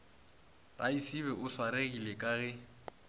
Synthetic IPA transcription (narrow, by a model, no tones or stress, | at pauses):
ra̰isiβɛʔʊswaɾeɣilekʼaɣɛ